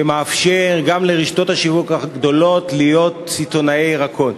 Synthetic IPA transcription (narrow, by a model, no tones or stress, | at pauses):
bemaːfʃe̞ʁɡamleʁiʃto̞thaʃivukaɡd̪o̞lo̞t̪lijo̞tt͡sit̪o̞naejʁakʰo̞t